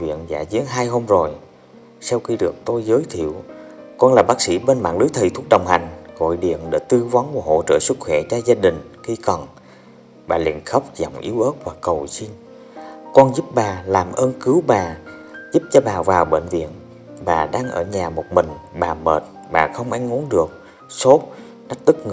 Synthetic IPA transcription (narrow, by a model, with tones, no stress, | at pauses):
vḭ˧˨ənza̰ː˧˩zi˨˦ənɦaː˧jɦo˧mzo˨˩j | saː˧wxi˧ɗɨ˨˩ək̚t̪o˧jzəː˨˦jt̪ʰḭ˧˨əwkɔ˧nlaː˨˩ɓaː˦˥k̚sḭ˧˥ɓe˧nma̰ː˧˨ŋlɨ˨˦jt̪ʰi˨˩t̪u˦˥ək̚ɗə˨˩wŋ͡mha˨˩jŋ̟ɣɔ̰˧˨jɗḭ˧˨ənɗe˧˩t̪ɨ˧vɔ˨˦nku˧˩əɦo̰˧˨t͡ɕəː˧˩swɨ˦˥k̚xwɛ˧˩t͡ɕaː˧zaː˧ɗï˨˩ŋ̟xi˧kɔ˨˩n | ɓaː˨˩lḭ˧˨ənxə˦˥wp̚zɔ˨˧˩wŋ͡mʔi˨˦əwʔəː˦˥t̚vwaː˨˩kːə˨˩wsi˧n | kɔ˧nzu˦˥p̚ɓaː˨˩laː˨˩mʔəː˧nkɨ˨˦wɓaː˨˩zu˦˥p̚t͡ɕɔ˧ɓaː˨˩vaː˨˩wɓḛ˧˨nvḭ˧˨ən | ɓaː˨˩ɗaː˧ŋʔəː˧˩ɲaː˨˩mo˨˩t̚mï˨˩ŋ̟ɓaː˨˩məː˨˩t̚ | ɓaː˨˩xə˧wŋ͡mʔa˨˧˦jŋ̟ʔu˨˦ənɗɨ˨˩ək̚ | so˦˥t̚ | ɗa˦˥k̚t̪ɨ˦˥k̚ŋ